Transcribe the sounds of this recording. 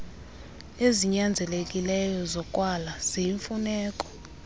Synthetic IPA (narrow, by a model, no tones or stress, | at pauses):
eziɲand͡zʱɛlekʼilɛjɔzɔkʼwalaz̥ijiɱfunɛːkʼɔ̥